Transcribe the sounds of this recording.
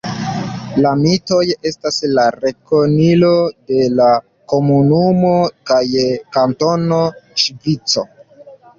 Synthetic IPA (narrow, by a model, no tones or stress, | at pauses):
lamito̞je̞staslaɾe̞konilo̞de̞la | ko̞munumo̞kajkanto̞no̞ʃvit͡so̞